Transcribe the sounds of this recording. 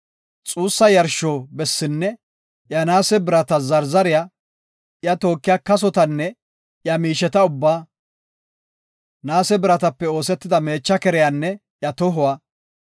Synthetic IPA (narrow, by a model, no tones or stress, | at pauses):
t͡sʼuːsːɐjɐɾʃːoːbɛsːɪnːɛ | jɐnaːsɛbɪɾɐt̪ɐzɐɾzɐɾɪja | jɐt̪o̞ːkːɪjakɐs̬ɔt̪ɐnːɛ | jɐmiːʃɛt̪ɐʊbːaː | naːsɛbɪɾɐt̪ɐpːɛo̞ːsɛt̪ːɪd̪ɐme̞ːt͡ʃːɐkɛɾɛjanːɛ | jɐt̪ɔɦʊwaː